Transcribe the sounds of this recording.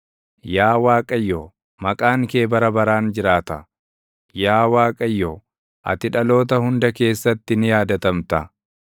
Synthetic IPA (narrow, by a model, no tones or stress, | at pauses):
jaːwaːkʼɐjːoː | mɐkʼaːŋke̞ːbɐɾɐbɐɾaːnd͡ʒɪɾaːt̪ɐ | jaːwaːkʼɐjːoː | ʔɐ̰t̪ɪᶑɐlo̞ːt̪ɐhʊnd̪ɐke̞ːsːɐt̪ːɪnɪjaːd̪ɐt̪ɐmt̪ɐ